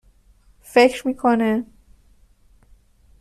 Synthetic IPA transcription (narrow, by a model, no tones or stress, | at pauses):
fecʰɾmiːkʰone